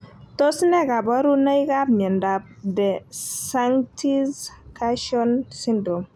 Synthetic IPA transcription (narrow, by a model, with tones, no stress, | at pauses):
to˦snɛ˦ka˨bɔ˦ɾu˦na˦i˦ka˦b̚ɲɛ˨nda˨b̚dɛ˨sa˦ŋtʰi˦zka˦ʃɔ˦nsi˦ndo˨m